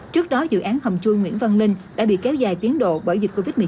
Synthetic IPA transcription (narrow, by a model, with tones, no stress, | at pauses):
t͡ɕɨ˦˥ək̚ɗɔ˨˦zɨ̰˧˨ʔaː˨˦nhə˨˩wŋ͡mt͡ɕu˧jŋwḭ˧˥ənvə˧nlï˧ŋ̟ɗa̰ː˧˥ɓḭ˧˨kɛ˨˦wzaː˨˩jt̪i˨˦ənɗo̰˧˨ɓəː˧˩jzi˨˩ko˧vi˦˥t̚mɨ˨˩